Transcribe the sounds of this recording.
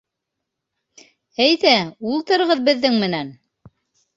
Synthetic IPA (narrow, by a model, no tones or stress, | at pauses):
æjðæulˠt̪ɤ̆ɾɤʁɤðbɘ̆ðːɘŋmɘ̆næn